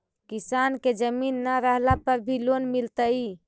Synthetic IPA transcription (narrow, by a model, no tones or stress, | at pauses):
kisanked͡ʒəminːəɾəɦlapəɾbʱilonmilt̪əi